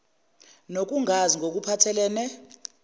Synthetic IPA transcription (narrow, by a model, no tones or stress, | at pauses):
nok̬uŋʱaziŋɡʱok̬upʰatʰɛlɛːnɛ